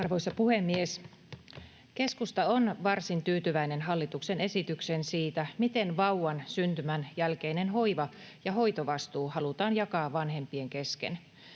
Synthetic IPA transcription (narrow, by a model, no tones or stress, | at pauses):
ɑrʋo̞isɑpuhemːies | ke̞skust̪ɑonʋɑrsint̪yːt̪yʋæine̞nɦɑlːit̪uksene̞sit̪yksensiːt̪æmit̪enʋɑuwɑnsynt̪ymænjælkeinenɦo̞iʋɑjɑɦo̞jt̪oʋɑst̪uːhɑlut̪ɑːnjɑkɑːʋʋɑnɦe̞mpieŋkeskḛn